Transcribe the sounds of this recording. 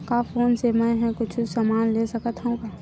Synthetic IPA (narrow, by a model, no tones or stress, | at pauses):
kafoːnsemɛ̃ɦɛ̃kʊt͡ʃʰusəmaːnlesəkət̪ɦũka